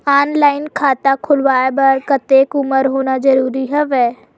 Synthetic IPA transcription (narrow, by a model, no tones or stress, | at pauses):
aːnlaːɪnkʰaːt̪akʰʊlʋaːebɐɾkət̪eːkʊməɾɦoːnad͡ʒəɾuːɾiɦɛʋɛː